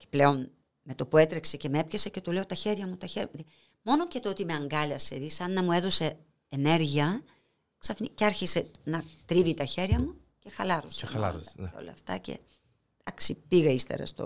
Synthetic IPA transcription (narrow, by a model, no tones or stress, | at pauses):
ce̥ple̞o̞n | me̞t̪o̞pue̞t̪ɾekse̞ce̞mee̞pçɐse̞ce̞t̪ule̞o̞t̪ɐçe̞ɾʝɐmut̪ɐçeɾjði | mo̞no̞cet̪oot̪ime̞ɐŋɡɐlɐseðisɐnːɐmue̞ðo̞se̞ː | ne̞ɾʝiɐ | ksɐfniceɐɾçise̞nɐt̪ɾivit̪ɐçe̞ɾʝɐmu | ce̞xɐlɐɾosɐl̰ɐo̰lɐ̰ɐft̪ɐce̞̰ | ɐksipiɣɐist̪ḛɾɐ̰st̪o̰